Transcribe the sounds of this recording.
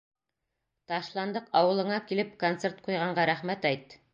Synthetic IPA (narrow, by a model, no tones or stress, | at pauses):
t̪ɑʃlˠɑnd̪ɤqɑwɤ̆lˠɤ̆ɴɑkilɘpkont̪seɾt̪̚qujʁɑɴɢɑɾæχmæt̪æjt̪